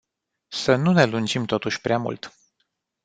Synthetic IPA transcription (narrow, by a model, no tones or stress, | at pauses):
sənune̞lund͡ʒimt̪o̞t̪uʃʲpɾeamṵlt̪